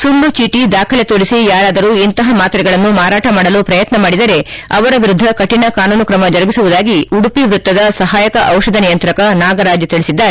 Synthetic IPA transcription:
sunːut͡ʃiːʈid̪aːkʰɐlet̪oːɾisijaːɾaːd̪ɐɾuːint̪ɐɦɐmaːt̪ɐɾɛɡɐɭɐnːumaːɾaːʈɐmaːɽɐlupɾɐjɐt̪nɐmaːɽid̪ɐɾe̞ɐʋɐɾɐʋiɾud̪ʱːɐkɐʈinɐkaːnuːnukɾɐmɐd͡ʒɐɾɐɡisuʋud̪aːɡiuɽupiʋɾut̪ːɐd̪ɐsɐɦaːjɐkɐʔɐwʃɐd̪ʱɐnijɐnt̪ɾɐkɐnaːɡɐɾaːd͡ʒjut̪iɭisid̪ːa

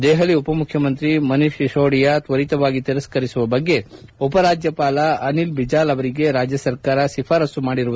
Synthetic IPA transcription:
d̪ɛːɦɐliupɐmukʰjɐmɐnt̪ɾimɐniʃiʃoːɽijɐt̪ʋɐɾit̪ɐʋaːɡit̪iɾɐskɐɾisuʋɐbɐɡːe̞upɐɾaːd͡ʒjɐpaːlɐɐnilbid͡ʒaːlɐʋɐɾiɡe̞ɾaːd͡ʒjɐsɐɾkaːɾɐʃipʰaːɾɐsumaːɽiɾuʋ

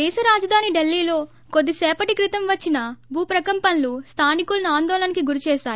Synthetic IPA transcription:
d̪ɛːʃɐɾaːd͡ʒɐd̪ʱaːniɖelːiːlo̞ː | ko̞d̪ːisɛːpɐʈikɾit̪ɐmʋɐt͡ʃːinɐbʱuːpɾɐkɐmpɐnlust̪ʰaːnikulɐnuaːnd̪ɔːlɐnɐkiɡuɾit͡ʃɛːʃaːj

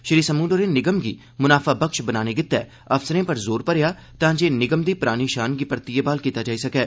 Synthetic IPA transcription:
ʃəɾiːsəmũːnɖəɾeːnɪɡəmɡiː | mʊnaːfʰaːbəkʃbənaːneːɡɪt̪ːɛ̰ː | ɐfsəɾẽːpəɾzoːɾpəɾejaː | t̪ãːd͡ʒeːnɪɡəmd̪iːpɾaːniːʃaːnɡiːpəɾt̪iːebaːlkiːt̪aːd͡ʒaːiːsɐkɛː

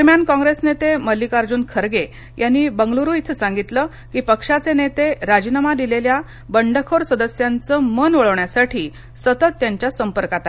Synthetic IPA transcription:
ɾmjankɔ̃ŋɡɾesnet̪eməlːikaɾd͡ʑuːnkʰəɾɡe | janːiːbəŋɡluɾuːit̪ʰəsaŋɡit̪ləː | kiːpəkʂat͡senet̪eɾad͡ʑnamad̪ilelja | bəɳɖəkʰoɾsəd̪əsjant͡səmənʋəɭəʋɳjasaʈʰiː | sət̪ət̪ːjaɲt͡ɕjasəmpəɾkat̪a

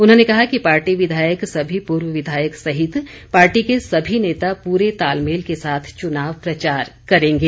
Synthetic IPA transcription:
ʊnɦõnekɐɦakipaːɾʈiʋɪd̪ʱaːjəksɐbʱipuːɾwəʋɪd̪ʱaːjəksɐɦɪt̪ | paːɾʈikesɐbʱineːt̪apuːɾet̪aːlmeːlkesaːt̪ʰt͡ʃʊnaːʋpɾɐt͡ʃaːɾkɐɾẽːŋɡeː

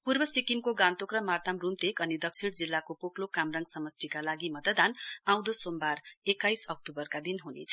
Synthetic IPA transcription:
purbʌsikimkoɡãnt̪okrʌmart̪amrumt̪ekʌnid̪ʌkt͡sʰiɽd͡zilːakopoklokamrʌŋɡsʌmʌsʈ̪ikalaɡimʌt̪əd̪anãw̃d̪osombarekːajsʌk̚t̪ubʌrkad̪inɦunḛt͡sʰʌ

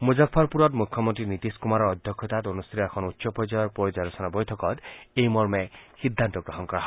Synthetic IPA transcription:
mud͡ʒakʰːɔɾpuɾɔt̪mukʰjɔmɔnt̪ɾinit̪iskumaɾɔɔd̪ʱjɔkʰjɔt̪at̪onust̪ʰiɾɔekʰɔnutːsɔpɔd͡ʒɔjɔɾpɔɾid͡ʒaɾɔsɔnabɔjtʰɔkɔt̪ejmɔɾmehid̪ʱːant̪ɔɡɾɔɦɔnkɔɾaɦ

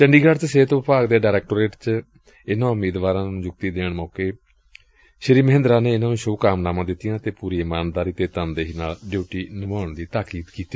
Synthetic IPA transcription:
t͡ʃəɳɖiːɡaːɖt͡ʃseːt̪ːpaːɡd̪eːɖaːɾɛːk̚ʈoːɾeːʈt͡ʃ | ɪnãːʊmeːd̪ʋaːɾãːnũːd͡ʒʊk̚t̪iːd̪eːɳmɔːkeː | ʃəɾiːməɦɪ̃nd̪ɾãːneːɪnaːnũːʃoːkaːmnaːmãːd̪ɪt̪ːijãːt̪eːpuːɾiːɪmaːnd̪aːɾiːt̪eːt̪ənd̪eːɦinaːlɖjuːʈiːnəmaːɳd̪iːt̪aːkiːd̪kiːt̪iː

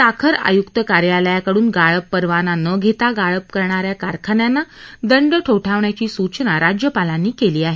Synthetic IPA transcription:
t̪akʰəɾa̰jukt̪əkaɾjaləjakəɽuːnɡaɭəpːəɾʋananəɡʱet̪aɡaɭəp̚kəɾɳaɾjakaɾkʰaɳjanːad̪əɳɖəʈʰoʈʰaʋɳjat͡ɕiːsut͡ɕnaɾad͡ʑjəpalanːiːkeliːaɦe

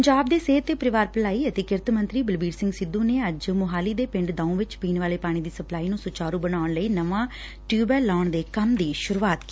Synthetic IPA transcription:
əɲd͡ʒaːb̚d̪eːseːt̪ːeːpɾɪʋaːɾpəlaːiːət̪eːkɪɾt̪mə̃nt̪ɾiːbəlbiːɾsɪ̃ŋɡsɪd̪ːũːneːəd͡ʒmʊɦaːliːd̪eːpɪ̃ɳɖd̪ãːũːʋɪt͡ʃpiːnʋaːleːpaːɽ̃ĩːd̪iːsəplaːiːnũːsʊt͡ʃaːɾũːbənaːʊɳləiːnəʋãː | ʈjuːbəːlaːɳd̪eːkəmd̪iːʃʊɾuːaːt̪ki̥

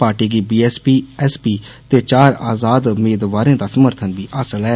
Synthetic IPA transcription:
paːʈiːɡiːbiːɛːspiːɛːspiːt̪eːt͡ʃaːɾa̰ːzaːd̪meːd̪ʋaːɾẽːd̪aːsəməɾt̪ʰənbiːʔaːsəlɛː

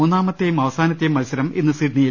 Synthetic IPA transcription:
uːnːaːmɐt̪ːejumɐʋɐsaːnɐt̪ːejumːɐusɐɾɐmenːɨsiʈniji

